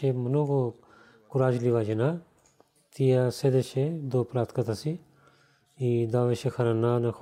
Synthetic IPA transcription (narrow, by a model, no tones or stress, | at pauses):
emɐnuːko | kuɾaːd͡ʒliʋaːd͡ʒena | t̪ijased̪eʃʰed̪oːpɾaːt̪kɐt̪ʰasi | id̪aːʋeʃekʰɐɾanaːne